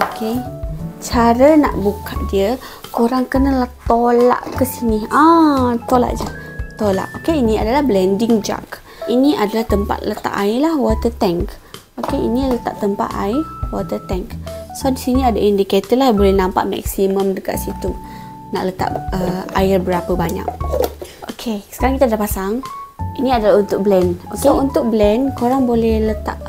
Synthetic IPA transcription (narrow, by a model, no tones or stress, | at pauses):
oket͡ʃaɾəna̰ʔbukʰaʔ̪̚diə | koɾaŋkənəlaht̪ola̰ʔkəsinihãt̪ola̰ʔd͡ʒət̪ola̰ʔokeiniadalahblɛndɪŋd͡ʒa̰k | iniʔadalaht̪əmpa̰t̪̚lət̪a̰ʔaɪlahwɔt̪ət̪ɛŋk | okeinilət̪a̰ʔt̪əmpa̰ʔ̪a̰ɪrwɔt̪ət̪ɛŋksodisiniadaʔindiket̪ɪlahbolɛhnãmpa̰ʔmɛ̰ksimə̃mdəka̰ʔ̪sit̪u | na̰ʔlət̪a̰ʔəa̰ɪrbəɾapəbaɲa̰ʔ̚ʔokʰesəkaɾaŋkit̪adahpasaŋiniadalahunt̪ʊk̚blɛnoksount̪ʊk̚blɛnkoɾaŋbolɛhlət̪a̰ʔ